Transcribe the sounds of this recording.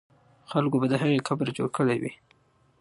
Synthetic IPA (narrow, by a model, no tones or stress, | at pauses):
xalkobad̪əɦaɣekabɾad͡ʒo̰ɽkəɽajwḭ